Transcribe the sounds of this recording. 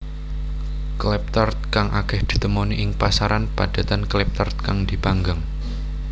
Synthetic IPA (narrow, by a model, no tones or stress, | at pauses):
klɛp̚t̪ɔrt̪̚kaŋʔakɛhd̪̥i̤t̪əmoniʔɪŋpasaɾʔanpad̥a̤t̪anklɛp̚t̪ərt̪̚kaŋd̪̥i̤paŋɡaŋ